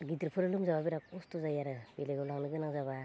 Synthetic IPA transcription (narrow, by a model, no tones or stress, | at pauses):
ɡitiɾpʰɯɾɯlɯmzaβabiɾakɔstuzajaɾɯbeleɡɯlaŋnɯɡɯnaŋzaβa